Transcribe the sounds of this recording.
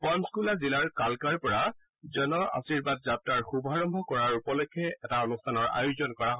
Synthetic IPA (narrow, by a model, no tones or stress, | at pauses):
pɔnskulazilaɹkalkaɹpɔɹa | zɔnɔa̰siɹbad̚zap̚taɹxubʱɔaɹɔmbʱɔkɔɹaɹupɔlɔkʰːɛɛtaonustʰanɔɹa̰juzɔnkɔɹaɦ